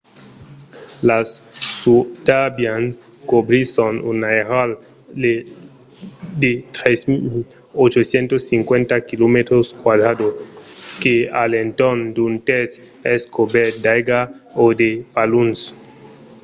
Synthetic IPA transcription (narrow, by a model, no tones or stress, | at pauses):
lasːud̪abjan | kobɾisonṵnaeɾal | de | d̪et̪ɾes | ot͡ʃosjent̪osːiŋkwent̪akilomet̪ɾoskwad̪ɾad̪okealent̪ond̪unt̪es | eskobɛɾd̪ajɡaod̪epaluns